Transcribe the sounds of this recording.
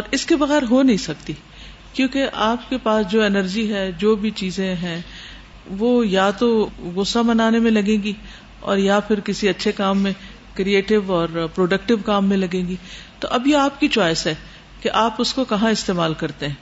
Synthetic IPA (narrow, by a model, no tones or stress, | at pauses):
ɔːɾɪskebɐɣɛːɾɦonɐɦĩsɐk̚t̪i | kjõːkeʔaːpkepaːsd͡ʒoːɛnəɾd͡ʒiɦɛd͡ʒoːbʱit͡ʃiːzẽɦɛ̃ | ʋoːjat̪oɣʊsabɐnaːnemẽlɐɡẽːɡi | ɔ̰ːɾjapʰɪɾkɪsiɐtːʃʰekaːmːẽ | kɾieːʈɪʋɔːɾpɾoːɖɐkʈɪʋkaːmːẽlɐɡẽːŋɡit̪o̰ʔɐbjeaːpkit͡ʃaːɪsɦɛ | keʔaːpʊskokɐɦãɪst̪eːmaːlkɐɾt̪ẽɦɛ̃ː